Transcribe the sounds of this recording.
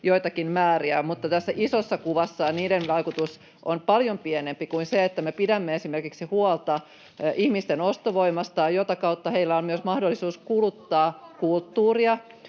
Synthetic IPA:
joit̪ɑkinmæːriæmut̪ːɑt̪æsːæʔisosːɑkuʋɑsːɑniːdenʋɑikut̪us | ʔonpɑljompienempikuinseet̪ːæmepidæmːeesimerkiksihuolt̪ɑ | ihmist̪enost̪oʋoimɑst̪ɑjɑjot̪ɑkɑut̪ːɑheilːæommyøsmɑhdolːˑisuːskulut̪ːɑːkult̪ːuːriɑ

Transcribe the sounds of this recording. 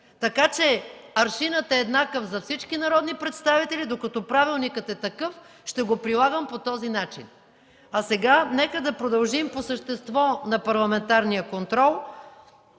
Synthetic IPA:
t̪ɐkat͡ʃɛɐɾʃinət̪ɛːd̪nakəfzɐfsit͡ʃkinɐɾɔd̪nipɾɛt̪st̪avit̪ɛlid̪okɐt̪ɔpɾavilˠnikət̪ɛt̪ɐkɤf | ʃt̪ɛɡopɾilˠaɡəmpot̪ɔzinat͡ʃḭn | ɐsɛɡanɛkəd̪ɐpɾod̪ɐlˠʒimposəʃt̪ɛst̪vɔnɐpɐɾlˠɐmɛnt̪aɾnijəkont̪ɾɔlˠ

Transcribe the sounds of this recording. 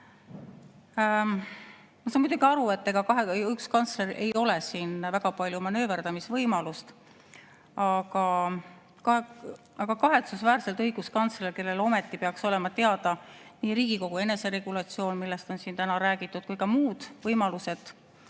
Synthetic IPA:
mɑsɑnmud̪uɡ̥iɑɾue̞t̪ːe̞ɡ̥ɑkɑɦeykskɑnt̪sle̞ɾiʔe̞jo̞lesiːnvæɡ̥ɑpɑlʲjumɑnø̞ːverd̪ɑmisvɤjmɑlust̪ | ɑɡ̥ɑ | kɑ | ɑɡ̥ɑkɑɦe̞t̪susvæːɾse̞lt̪ɤjɡ̥uskɑnt̪slelke̞lːe̞lo̞me̞t̪ːˑipe̞ɑkso̞le̞mɑt̪e̞ɑd̪̥ɑniːɾiːɡ̥iko̞ɡ̥ue̞ne̞se̞ɾe̞ɡ̥ulɑt̪sio̞ːnmilːe̞st̪o̞nsint̪ænɑɾæːɡit̪ːˑud̪̥̚kujkɑmuːd̪̥vɤjmɑluse̞d̪̥

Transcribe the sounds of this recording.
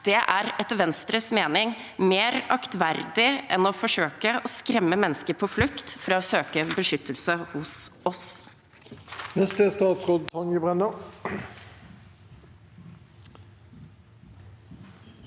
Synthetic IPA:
d̪̥ɛʔæːɾɛt̪ʋɛnst̪ɾəsmeːnɪŋ | meːɾɑkt̪ʋæɾd̪ɪʔɛnɔfɔʂøːkəʔɔskɾɛmːəmɛnəskəɾpʰɔːflʉkt̪fɾɑːoːsøːkəbəʂʏt̪ʰːəlsəhʊsɔs | nɛst̪əst̪ɑːt̪sʁoːd̪̚t̪ʰɔŋəbʁɛnə

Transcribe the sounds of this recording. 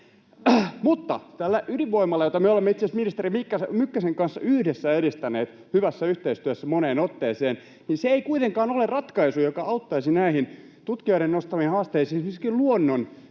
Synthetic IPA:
mut̪ːɑ̰t̪ælːæʔyliʋʋoimːɑlːɑjot̪ɑmeolemːeit̪sensminist̪erimikːɑsmykːæseŋkɑnsːɑ̰yhdesːæeɾist̪æneːt̪ | hyʋæsːæyht̪eist̪yæsːæmoneːnot̪ːeːseːn | niseeikuit̪eŋkɑːnolerrɑt̪kɑisujokɑʔɑut̪ːɑisinæiɦin | t̪ut̪kioiɾennost̪ɑʋinhɑːst̪eisiːmiskilluonːon

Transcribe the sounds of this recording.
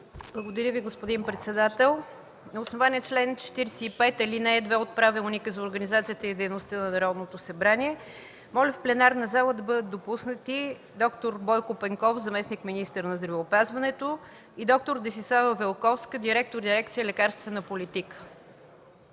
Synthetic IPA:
blˠəɡod̪ɐɾʲəviɡospod̪inpɾɛt̪sɛd̪at̪ɛlˠ | nɐʊsnovaniɛt͡ʃlɛnt͡ʃɛ̥t̪iɾɛsɛipɛt̪ɐlinɛːd̪vɛot̪̚pɾavɛlˠnikəzɐoɾɡənizat̪sijət̪əid̪ɛjnost̪ənɐnɐɾɔd̪not̪osɐbɾaniɛ | mɔlʲəfplɛnaɾnɐzalˠəd̪ɐbɤd̪ət̪̚d̪opusnət̪i | d̪ɔkt̪oɾbɔjkʊpɛŋkɔfzɐmɛsnikminist̪əɾnɐzd̪ɾɐvɛʊpazvɐnɛt̪o | id̪ɔk̚t̪oɾd̪ɛsislˠavəvɛlˠkɔfskəd̪iɾɛk̚t̪oɾd̪iɾɛk̚t̪sijəlɛkaɾst̪vɛnəpolit̪ikə̥

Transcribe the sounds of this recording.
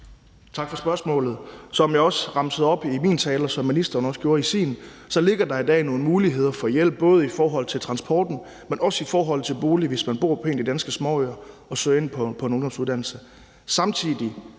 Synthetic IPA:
t͡sʰɑ̈ɡ̥fɒ̽sb̥ɶɐsmɔ̰̽ːlð̩ˠsɒ̽mjɑ̈ɪɒ̽sʁɑ̈msəð̞̩ˠɒ̽b̥imḭːnt͡sʰɛːlɐsɒ̽mːinisd̥ɐːnɒ̽sɡ̥jo̝ːɐisḭːn̩ | sɒ̽le̝ɡ̥ɐd̥ɑ̈id̥ɛ̰ːno̝ːn̩muːliɦe̝ð̞̰ˠɐfɒ̽jel̰b̥̚ːɔ̽ːð̞̩ˠifɒːɦɒ̽l̰ˠt͡sʰe̝lt͡sʰʁɑ̈nsb̥ɒ̰ːd̥n̩ | menʔɒ̽sifɒːɦɒ̽l̰ˠt͡sʰe̝lb̥o̝ːliʋe̝smænb̥o̝̰ɐpʰe̝̰ːnd̥id̥ænsɡ̥əsmɒːøɐɒ̽sø̰e̝npʰɒpʰɒ̽noŋnd̥ɒ̽msuðˠd̥ænl̩sə | sɑ̈mt͡sʰið̰ˠi

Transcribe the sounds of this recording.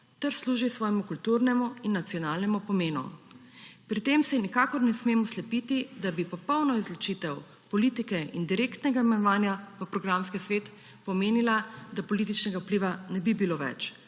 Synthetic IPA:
t̪ɛɾsluːʒisʋɔːjɛmukult̪uɾnɛmuinːat̪siɔnaːlnɛmupɔmeːnṵ | pɾit̪emsɛnikakɔɾnɛsmemɔslɛpit̪id̪abipɔpɔwnɔizlɔt͡ʃit̪ɛw | pɔliːt̪ikɛḭnd̪iɾeːkt̪nɛɡaimɛnɔʋaːnjaʋəpɾɔɡɾamskisʋeːt̪ | pɔmeːnilad̪apɔlit̪it͡ʃnɛɡaupliʋanɛbibiloːʋɛ̰t͡ʃ

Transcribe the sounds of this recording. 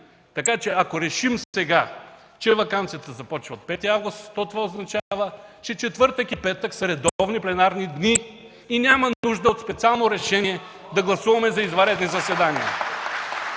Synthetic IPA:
t̪ɐkat͡ʃɛɐkoɾɛʃimssɛɡa | t͡ʃɛvɐkant̪sijət̪əzɐpɔt͡ʃvəot̪̚pɛt̪iavɡʊst̪t̪ɔt̪ovaoznɐt͡ʃavət͡ʃɛt͡ʃɛt̪vɤɾt̪ɛkipɛt̪əksɐɾɛd̪ɔvniplɛnaɾnid̪niː | nʲamɐnuʒd̪əot̪spɛt̪sialˠnoɾɛʃɛniɛd̪ɐɡlˠɐsuvɐmɛzɐizvɐɾɛd̪nizɐsvɛd̪aniə̰

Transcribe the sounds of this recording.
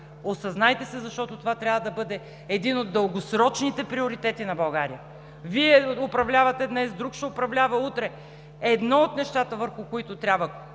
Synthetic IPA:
osɐznajt̪ɛsɛzɐʃt̪ɔt̪ot̪ovat̪ɾʲabvɐd̪ɐbɤd̪ɛ | ɛd̪inod̪ːəlˠɡosɾɔt͡ʃnit̪ɛpɾioɾit̪ɛt̪inɐbɐlˠɡaɾijə | viɛopɾɐvlʲavɐt̪ɛd̪nɛsd̪ɾukʃɛopɾɐvlʲavɐut̪ɾɛ | ɛd̪nɔot̪nɛʃt̪at̪əvəɾxʊkoit̪ʊt̪ɾʲabvə

